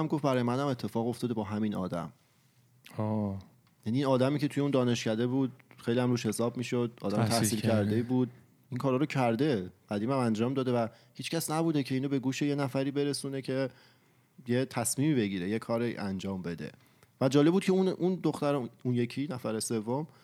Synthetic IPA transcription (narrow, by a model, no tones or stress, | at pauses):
æmɡofbæɾɒːjemæd̪æme̞t̪ʰːe̞fɒːɣo̞ft̪ɒːd̪eɒːɦæmiːnɒ̰ːd̪æ̰m | jæniːnɒːd̪æmiːcʰet̪ʰuje̞und̪ɒːne̞ʃcæd̪e̞buːd̪̥xejlijæmɾuːʃhe̞sɒːbmiːʃod̪̥̚ɒːd̪æmt̪ʰæhsiːlcʰæɾd̪eibuːd̪̚ | iŋkʰɒːɾɒːɾocʰæɾd̪e̞ɢ̥æd̪iːmæmænd͡ʒɒːmd̪ɒːd̪e̞væhiːt͡ʃcʰæsnæbuːd̪e̞cʰe̞iːnobe̞ɡuːʃe̞je̞næfæɾiːbe̞ɾe̞suːnecʰe̞ | jet̪ʰæsmiːmiːbe̞ɟiːɾeje̞kʰɒːɾiʔænd͡ʒɒːmbe̞d̪e̞̰ | væd͡ʒɒːlebud̪̚cʰe̞unʔund̪oxt̪æɾunje̞cʰiːnæfæɾese̞vːom